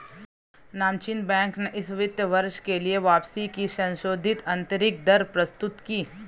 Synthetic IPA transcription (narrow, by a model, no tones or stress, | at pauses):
naːmt͡ʃinbɛ̃ːŋkneʔɪsʋɪt̪jəʋɐɾʃkelieʋaːpsikisɐ̃nʃoːd̪ʱɪt̪ɐ̃nt̪əɾɪk̚d̪ɐɾpɾɐst̪ʊt̪kiː